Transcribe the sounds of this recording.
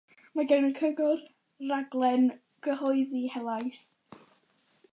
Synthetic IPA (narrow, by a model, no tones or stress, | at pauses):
maɡɛwnənkʰəɡʊr | raɡlˠɛn | ɡ̥əhɔɨðihɛlˠajs